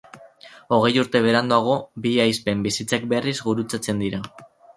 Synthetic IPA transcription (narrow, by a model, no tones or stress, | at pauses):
o̞ɣ̞e̞juɾt̪e̞β̞e̞ɾand̪uaɣ̞o̞biajspembisit͡sak̚be̞rizɣuɾut͡sat͡se̞nd̪iɾa